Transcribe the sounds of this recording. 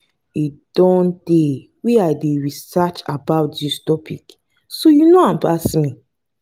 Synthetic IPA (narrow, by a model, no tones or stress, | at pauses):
id̥ɔ̃nd̥e | weaɪdeɹisat͡ʃabaʊt̚distɔpʰḭk | sojunoãmpasmĩ